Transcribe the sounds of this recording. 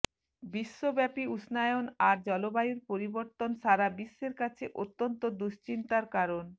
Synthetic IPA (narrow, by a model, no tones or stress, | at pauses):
biʃːobɛpiusʰnaeonaɾd͡ʑɔlobajuɾpoɾiboɾt̪onʃaɾabiʃːeɾkat͡ɕʰeʔot̪ːont̪od̪uʃt͡ɕint̪aɾkaɾon